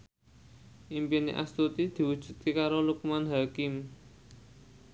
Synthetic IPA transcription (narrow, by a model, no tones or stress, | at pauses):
ʔimpinḭʔa̰st̪ut̪id̪̥i̤wud̥ʒ̥ṳt̪ikaɾolukmanɦakɪm